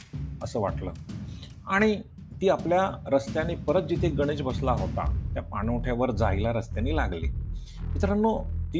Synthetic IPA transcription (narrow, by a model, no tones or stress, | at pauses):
əsəːʋaʈləː | aɽ̃i | t̪iːapljaɾəst̪jãnːiːpəɾət̪̚d͡ʑit̪ʰeɡəɽ̃iːt͡sbəslaɦot̪a̰t̪japaɽ̃uʈʰjaʋəɾd͡zailaɾəst̪janːiːlaɡlḭː | mit̪əɾanːot̪i